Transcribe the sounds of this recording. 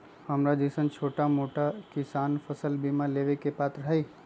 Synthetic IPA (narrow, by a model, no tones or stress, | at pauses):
həmɾad͡ʒəsənt͡ʃʰoːʈamoʈakisaːnpʰəsəlbimãleʋekepaːt̪ɾəɦəi